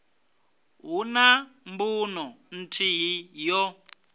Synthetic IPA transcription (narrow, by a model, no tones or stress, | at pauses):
ɦunambunɔ | n̩tʰiɦijɔ